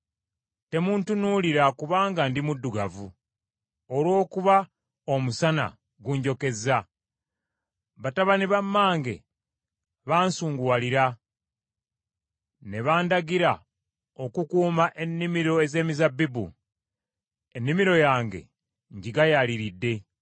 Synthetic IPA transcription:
te̞muːntunuliɾakuβaːŋɡandimudːuɡavu | olwo̞ːkuβa | omusana̰ | ɡuɲɟo̞ke̞za | βataβaniβamːaːŋɡe̞̰ | βaːnsuːŋɡuwaliɾa | ne̞βaːndaɡiɾa | o̞kukuːmaʔe̞nːimiɾo̞e̞ze̞ːmizabːibṵ | enːimiɾo̞jaːŋɡe̞̰ | ɲɟiɡajaliɾidːe̞

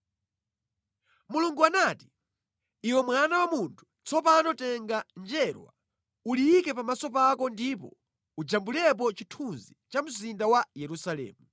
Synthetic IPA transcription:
muluŋɡuanaːti̥ | iwɛmwanawamuntʰu̥t͡sɔpanɔtɛŋɡand͡ʒɛɾwa̰ | uliikɛpamasɔpakɔndipɔ | ud͡ʒambulɛp̬ɔt͡ʃitʰunzit͡ʃam̩zindawajɛɾusalɛ̰ːmu

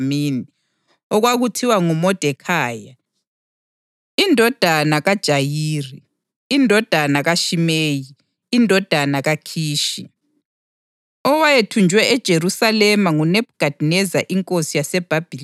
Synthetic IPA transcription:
mini | ɔɣwaɣutʰiwaŋumɔd̥ʱɛkʰaːja | indʱɔd̥ʱanaɣad̥ʒ̥ʱajiːriː | ndʱɔd̥ʱanaɣaʃimeːjiː | ndʱɔd̥ʱanaɣakʰiːʃi | ɔwajetʰund͡ʒʱwɛɛd̥ʒ̥ʱeɾusalɛmaŋunɛb̚ɡ̥ʱad̥ʱinɛzaʔiŋkʼosijasɛb̥ʱab̥ʱil

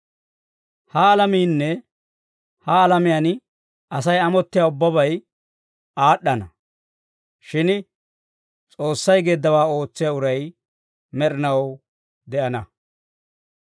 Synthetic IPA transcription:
hɐːlɐmiːnːɛ | hɐːlɐmɪjan | ʔɐs̬ɐjɐmɔt̪ːɪjaːʊbːɐβɐj | aːɗːɐnɐ | ʃɪn | t͡sʼo̞ːsːɐjɡeːd̪ːɐwaːo̞ːt͡sːɪjaʊɾɐj | mɛɾɪnɐw | d̪ɛʔɐnɐ

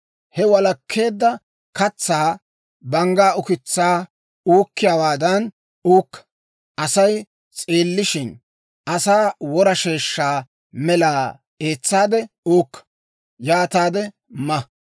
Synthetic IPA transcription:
hɛwɐlɐkʰːe̞ːd̪ːɐ | kɐt͡sːaː | bɐŋɡaːʊkɪt͡sːaː | uːkːɪjaːwaːd̪ɐn | uːkːɐ̥ | ʔɐsɐj | t͡sʼeːlːɪʃɪn | ʔɐsaːwɔɾɐʃe̞ːʃːaː | mɛlaː | e̞ːt͡sːaːd̪ɛ | uːkːɐ̥ | jaːt̪aːd̪ɛ | mɐ

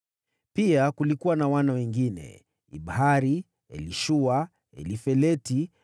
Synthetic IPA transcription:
piakulikuwanawanawɛŋɡinɛ̰ | ḭɓhaɾi | ɛ̰liʃua | ɛ̰lifɛlɛti

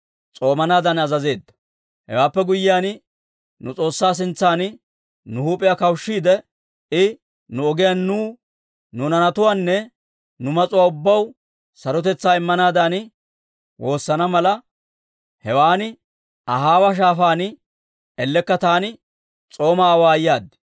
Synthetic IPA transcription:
t͡sʼo̞ːmɐnaːd̪ɐnɐzɐze̞ːd̪ːɐ̥ | hɛ̰waːpːɛɡʊjːɪjaːn | nʊt͡sʼo̞ːsːaːs̬ɪnt͡sːaːn | nʊhuːpʼɪjakɐwʃːiːd̪ɛ | ɪ | nʊɔɡɪjaːnːuː | nʊnɐnɐt̪ʊwaːnːɛ | nʊmɐt͡sʼʊwaːʊbːɐw | sɐɾɔt̪ɛt͡sːaːɪmːɐnaːd̪ɐnɪ | wo̞ːsːɐnɐmɐlɐ | hɛwaːnɪ | ʔɐɦaːwɐʃ̬aːfaːnɪ | ɛlːɛkːɐt̪aːnɪ | t͡sʼo̞ːmaːwaːjːaːd̪ɪ̥

